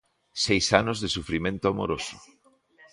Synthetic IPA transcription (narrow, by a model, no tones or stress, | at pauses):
sejsanʊzðesufɾimẽnt̪oamo̰ɾosʊ̥